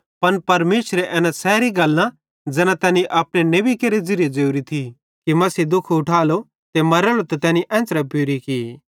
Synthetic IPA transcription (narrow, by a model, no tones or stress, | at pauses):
pɐnpɐɾmeːʃɾeʔɛːnasɛːɾiɡɐlːã | d͡zɛːnãt̪ɛːniʔɐːpɽ̃eneːbikeɾed͡zɪɾjed͡ʒeːuɾit̪ʰi | kimɐsid̪ʊkʰʊʈʰaːlo | t̪emɐɾɛːlot̪ot̪ɛːniʔɛ̃ːnt͡ʃɾɛpuːɾiki